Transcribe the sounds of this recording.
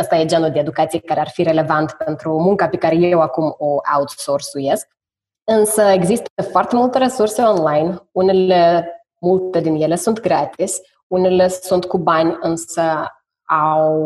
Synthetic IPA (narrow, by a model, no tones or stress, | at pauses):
əst̪ajed͡ʒanud̪eed̪ukat̪sijekaɾearfiɾe̞le̞vant̪pent̪ɾumuŋkape̞kaɾeje̞wakumoʔa̰ut̪sorsujesk̚ | ɨnsəe̞ɡzist̪əfoart̪e̞mult̪eɾesurse̞o̞nlajnunelle | mult̪ed̪inje̞le̞sunt̪ɡɾat̪isʲ | unele̞sunt̪kubanʲɨnsə | aww